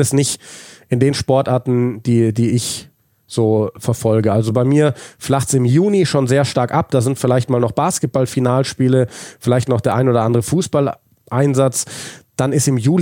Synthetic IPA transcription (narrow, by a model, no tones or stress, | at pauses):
ɛsnɪçtʔɪndeːnʃpɔɐtʔaːɐtn̩d̥iːdiːɪç | z̥oːfɛɐfɔlɡəʔalzobaɪmiːɐflaχtsɪmjuːniʃoːnzeːɐʃtaɐkʔap̚d̥aːzɪntfɪlaɪçtmaːlnɔχb̥aːskət̚b̥alfinaːlʃpiːləfɪlaɪçtnɔχd̥eːɐaɪnoːdɐʔandəʁəfuːsb̥al | ʔaɪnzat͡sd̥anɪstɪmjuːl